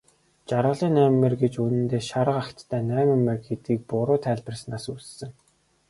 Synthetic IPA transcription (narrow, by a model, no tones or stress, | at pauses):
t͡ɕaɾʁə̆ɮiːnæːmːĕrɡet͡ɕunɘ̆nt̪eːʃaɾə̆qakt̪ʰːæːnæːmɘ̆mːerɡet̪iːk̚pʊɾʊːt̪ʰæːɮpə̆rsnaːsuːssɘ̆ŋ